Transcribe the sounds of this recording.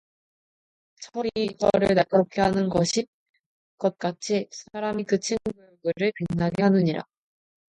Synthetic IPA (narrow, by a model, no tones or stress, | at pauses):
t͡ɕʰʌɾiɡʌ̰ɾɯɭnak͈ʌɾop̚kʰeɦanɯnɡʌɕʰi | kʌt̚k͈at͡ɕʰisʰaɾamikɯt͡ɕʰiŋɡujjoɡɯɾɯɭpinːaɡeɦanuɲiɾa̰